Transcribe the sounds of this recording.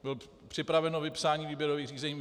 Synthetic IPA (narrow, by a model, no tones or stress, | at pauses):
bɪl | pr̥ɪpɾavɛnovɪpsaːɲiːviːbjɛɾoviːxriːzɛɲiː